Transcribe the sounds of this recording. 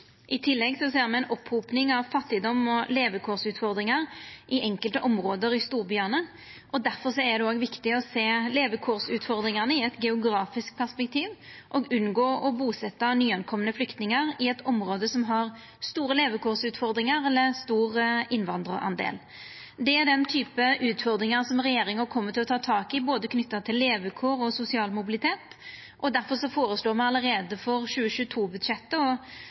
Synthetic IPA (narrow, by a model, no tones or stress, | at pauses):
ʔɪt̪ʰɪlːɛɡsɔseːʁmɛɪnʔɔpʰːɾuːpnɪŋɑʋfɑt̪ːɪd̪ɔmːɔleːʋəkʰuʁsʉːt̪fɔʁd̪ɾɪŋəʁʔɪʔɛŋkəlt̪əʔɔmʁoːd̪əɾɪst̪uːʁbjœʁnən | ʔɔd̪æʁfɔʁsɔɛd̪ɛoːɡʋɪkt̪ɪɔseːleːʋəkʰuːʁsʉːt̪fɔʁd̪ɾɪŋəʁnəɪɛt̪ɡɛʊɡɾɑːfɪsk̚pʰæʁspɛk̚t̪ʰiːʋʔɔɡʉnɡoːɔbuːsɛt̪ːɑnyːɛnkʰɔmənəflʏkt̪nɪŋəʁɪɛt̪ʰɔmɾoːd̪əsɔmɦɑɾ | st̪uːɾəleːʋəkʰuːɾsʉːt̪fɔɾd̪ɾɪŋəɾɛlːəst̪uːɾʔɪnʋɑnd̪ɾə̰ʔɑ̰nd̪ḛːl | d̪ɛæɾɖ̪ɛnt̪ʰyːpəʔʉːt̪fɔɾd̪ɾɪŋənsɔmɾɛjeːɾɪŋəɾkʰɔmːət̪ʰɪlɔt̪ʰɑːt̪ʰɑːkɪboːd̪əkʰnʏt̪ːət̪ʰɪlːeːʋəkʰoːɾɔsʊsɪɑːlmʊbɪlɪt̪ʰeːt̪ | ʔɔd̪æɾfɔɾʂɔfoːɾəsloːmɑnɑləɾeːd̪əfɔʁʃʉːəʃʉːət̪ʰuːbʉd̪ʂɛt̪ːəɔ